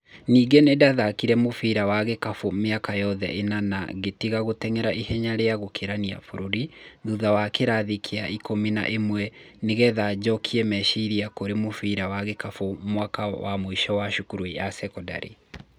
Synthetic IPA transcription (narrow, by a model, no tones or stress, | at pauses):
niːɡenedaðakiɾɛmofiɾawaɣekafomeakajɔðɛ̰ʔenana̰ɣetiɣaɣotɛŋɛɾaʔihɛɲaɾeaɣokʰeɾania̰foɾoɾiðuðawakeɾaðikʰeaʔikomina̰ʔemwɛ | neɣɛðad͡ʑɔkʰiɛmɛʃiɾiakoɾemofiɾawaɣekafomwakawa̰moiʃɔwaʃukuɾujasɛkɔda̰ɾḛ